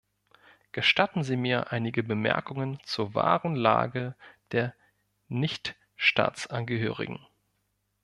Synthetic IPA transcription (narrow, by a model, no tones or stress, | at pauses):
ɡ̥əʃtatn̩ziːmiːɐʔaɪnɪɡəbəmɛ̰ɐkʊŋənt͡suːɐva̰ːʁənla̰ːɡəd̥eːɐ | nɪçt | ʃta̰ːt͡sʔanɡəɦø̰ːʁɪ̰ɡŋ̩